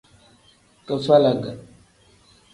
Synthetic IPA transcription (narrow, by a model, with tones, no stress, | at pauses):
kə˨fa˦la˨ɡa˨